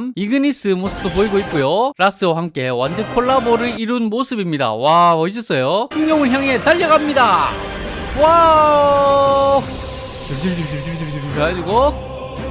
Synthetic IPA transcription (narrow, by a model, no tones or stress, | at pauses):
miɡɯnis͈ɯmosʰɯ̥b̚d͈opoiɡoit̚k͈ojoɾas͈ɯwahamk͈e̞wandɯkʰoɭːaboɾɯɭiɾunmosʰɯbimɲida̰waʌis̬͈ʰʌs͈ʌjoɕiŋjʌŋɯɭçjaŋe̞taʎːʌɡamɲida | wa | tɯɾd͡ʑɯɾd͡ʑɯɾd͡ʑɯɾd͡ʑɯɾd͡ʑɯɾd͡ʑɯɾɯaad͡ʑiɡo